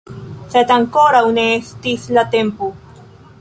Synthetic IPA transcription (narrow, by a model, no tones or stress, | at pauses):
set̪aŋkoɾawneest̪islat̪empo